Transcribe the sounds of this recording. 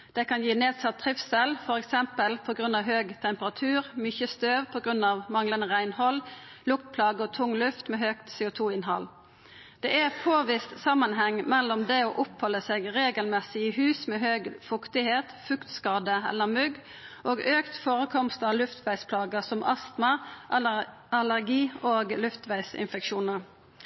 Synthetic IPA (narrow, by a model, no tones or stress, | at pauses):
d̪̥ɛkʰɑnjiːneːd̪sɑt̪ʰːʁɪfsɛlfɔʁɛksɛmpəlpʰɔɡʁʉnɑʋɦøːɡt̪ʰɛmpəʁɑt̪ʰʉːʁmʏçəst̪øːʋpʰɔɡʁʉnːɑːʋmɑŋlənəʁæɪnhɔl | lʊkt̪̚pʰlɑːɡəɔːt̪ʰʊŋːlʉft̪meːɦøːkt̪seːʊt̪ʰuːɪnhɑ̰l | d̪̥ɛːæpʰoːʋɪst̪sɑmːənhɛŋːmɛlːɔmd̪eːoːʔʊphɔləseːɡʁeːɡəlmɛsɪihʉːsmeːɦøːɡfʊkt̪ɪheːt̪fʉkt̪skɑːd̪əɛ̰lːəʁmʉɡ | ʔoːɡʔøːkt̪foːʁəkʰɔmst̪ɑːʋlʉft̪ʋæɪspʰlɑːɡəsɔmʔɑst̪mɑ | ɑlæʁɡiːoːɡlʉft̪ʋæɪsɪ̰nfɛkʃuːnəʁ